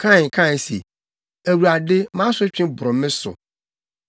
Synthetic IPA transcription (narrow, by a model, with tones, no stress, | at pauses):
kʰã˦˨ŋ˨kʰã˦˨sḭ˨ | æ˨wu˨ɾa˨dɪ˦mã˦sʊ˦t͡ɕᶣɪ̃˦bʊ˨ɾʊ̃˨mɪ̃˦sʊ̰˨